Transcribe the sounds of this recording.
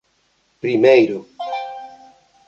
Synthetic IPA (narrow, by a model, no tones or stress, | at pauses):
pɾimejɾo